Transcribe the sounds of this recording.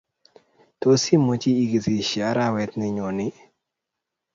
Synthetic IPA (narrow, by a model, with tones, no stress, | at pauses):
to˦si˦mo˨t͡ʃiː˦˨ɡi˨zi˨ʃja˨˦ɾa˦wɛ˦t̪nɪ˦ɲo˨nɪ˦